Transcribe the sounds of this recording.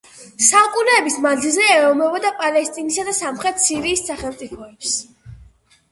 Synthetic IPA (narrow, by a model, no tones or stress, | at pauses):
saukʼunɛɛbismad̪zilˠzɛɛɔmɛbɔd̪apʼalɛst̪ʼinisad̪asamχɾɛt̪ʰsiɾiːsːaχɛlˠmt̪sʼipʰɔɛps